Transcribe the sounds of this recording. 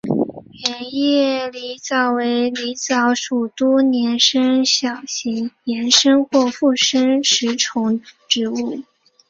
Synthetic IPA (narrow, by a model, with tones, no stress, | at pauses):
ɛ˧˥ni˥jɛ˥˩li˧˥t͡sɑ˨˩ʊwe˧˥ɪli˧˥t͡sɑ˧˥ʊʂu˨˩t̪wɔ˥njɛ˧˥nʂə˥ŋɕjɑ˨˩ʊɕi˧˥ŋjɛ˧˥nʂə˥ŋxwɔ˥˧fu˥˩ʂə˥ŋʂɻ̩˧˥ʈ͡ʂʰʊ˧˥ŋʈ͡ʂɻ̩˧˥u˥˩